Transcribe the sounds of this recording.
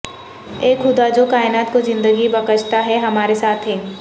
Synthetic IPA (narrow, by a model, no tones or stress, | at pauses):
eːkɦʊd̪ad͡ʒokaːɪnaːt̪kozɪ̃nd̪əɡibɐkət͡ʃt̪aɦɛɦɐmaːɾesaːt̪ʰɦɛː